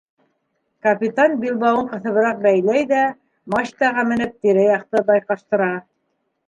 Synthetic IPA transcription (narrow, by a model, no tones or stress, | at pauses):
kɐpʲit̪ɑnbilˠbɑwɤɴqɤ̆θɤ̆βɤ̆ɾɑq̚bæjlæjðæ | mɑɕt̪ɑʁɑmɘ̆nɘp̚t̪iɾæjɑq̚t̪ɤbɑjqɑʃt̪ɤ̆ɾɑ